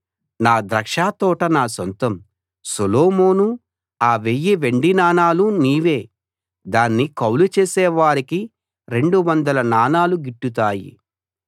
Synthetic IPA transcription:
naːd̪ɾɐkʂaːt̪ɔːʈɐnaːsont̪ɐm | soloːmo̞ːnu | aːʋejːiʋe̞ɳɖinaːnaːluniːʋeː | d̪aːnːikɐwlut͡ʃeːsɛːʋaːɾiki | ɾe̞ɳɖuʋɐnd̪ɐlɐnaːnaːluɡiʈːut̪̬aːjḭ

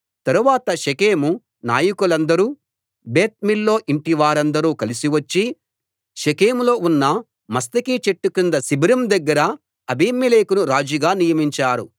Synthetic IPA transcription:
t̪ɐɾuʋaːt̪ɐʃekeːmu | na̰ːjɐkulɐnd̪ɐɾuː | be̞ːt̪̚milːo̞ːʔiɳʈiʋaːɾɐnd̪ɐɾuːkɐlisiʋɐt͡ʃːi | ʃekeːmlo̞ːunːɐ | mɐst̪ɐkit͡ʃeʈːukind̪ɐsibɐɾɐmd̪ɐɡːɐɾɐ | ɐbimeleːkunuɾaːd͡ʒiɡaːnijɐmiɲt͡ʃaːɾu

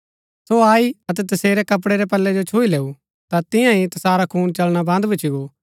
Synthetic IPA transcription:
soaːiɐt̪̬ɛt̪ɐseːɾɛkɐp̬ɽeɾɛpɐlːɛd͡ʒot͡ʃʰoːileːu | t̪at̪ɪ̃jãit̪ɐsaːɾakʰuːnt͡ʃɐlɽ̃abɐ̃nd̪bɐt͡ʃʰiɡo

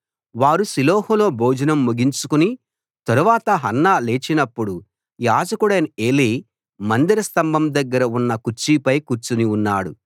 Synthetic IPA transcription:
ʋaːɾusiloːhulo̞ːboːd͡ʒɐnɐmːuɡiɲt͡ʃukuni | t̪ɐɾuʋaːt̪ɐɦɐnːaːleːt͡ʃinɐpːuɽu | jaːd͡ʒɐkuɽɐneːliː | mɐnd̪iɾɐst̪ɐmbʱɐmd̪ɐɡːɐɾɐunːɐkuɾt͡ʃipɐjkuɾt͡ʃuniunːaːɽṵ

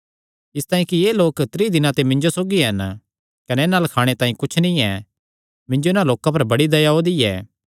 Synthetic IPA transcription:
ɪst̪aːĩkijeːloːkt̪ɾiːd̪ɪnãt̪emɪ̃ɲd͡ʒosoːɡiɦɐn | kɐnɛnaːlkʰaːɽ̃et̪aːĩkʊt͡ʃʰnĩɛ | mɪ̃ɲd͡ʒoɪnãloːkãp̬ɐɾbɐɽid̪ɐjaod̪iɛ̰ː

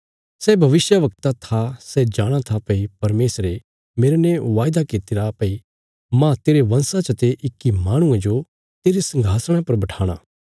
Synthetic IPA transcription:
sɛbʱɐʋɪsjəʋɐk̚t̪at̪ʰasɛd͡ʒaːɽ̃at̪ʰapɐipɐɾmeːsɾe | meːɾenɛ̃ʋaːjd̪akɪt̪ɪɾapɐi | mãt̪eːɾeʋɐ̃nsat͡ʃət̪eʔɪkːimaːɽ̃ʊ̃ẽd͡ʒo | t̪eːɾesɐ̃ŋɡʱaːsəɽ̃ãpɐɾbɐʈʰaːɽ̃a̰ː

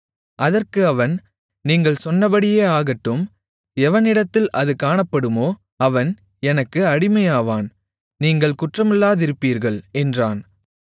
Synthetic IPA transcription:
ʔɐðɐrkɯɐʋɐn | niːŋɡɐɭsɔnːɐbɐɽɪjeːaːɣɐʈːɯm | ɛʋɐnɪɽɐt̪ːɪlʔɐðɯkaːɳɐpːɐɽɯmoː | ɐʋɐn | ɛnɐkːɯɐɽɪmɐjaːʋaːn | niːŋɡɐɭkʊʈrɐmɪlːaːðɪɾɯpːiːɾɣɐɭɛndraːn

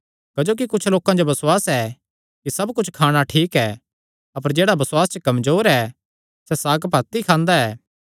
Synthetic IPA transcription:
kɐd͡ʒoːk̬ikʊt͡ʃʰloːkãd͡ʒobɐsʊwaːsɛː | kisɐbkʊt͡ʃʰkʰaːɽ̃aʈʰiːkɛː | ɐpəɾd͡ʒeːɽabɐswaːst͡ʃəkɐmzoːɾɛ | sɛsaːɡpɐt̪ːikʰãːnd̪aɛː

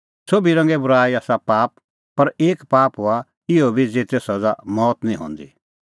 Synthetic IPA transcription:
sobiɾɐ̃ŋɡɛbʊɾaːiaːsapaːp̚ | pɐɾeːkpaːpɦʊa | ɪobʱid͡zeːt̪esɐd͡zamɔːt̪nĩɦõ̰ːnd̪ḭ

